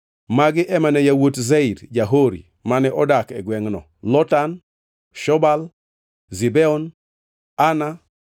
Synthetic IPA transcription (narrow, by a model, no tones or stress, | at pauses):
maɡɪʔɛmanɛjawotzɛiɾd͡ʒaɦoɾḭ | manɛʔɔdakɛɡwɛŋnɔ̰ | lɔtan | ʃɔbal | zibɛɔn | ana